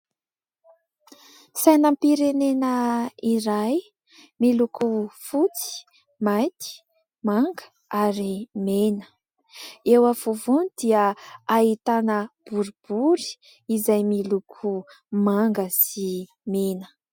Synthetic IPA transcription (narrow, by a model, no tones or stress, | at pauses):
sajnampiɾenenəiɾaj | milukufut͡si̥ | majt̪ʰi̥ | maŋɡə̥ | aɾimenə̥ | ewavuvunid̪iəait̪anəb̥uɾib̥uɾi̥ | izajmilukʰu | maŋɡəsi | menə̥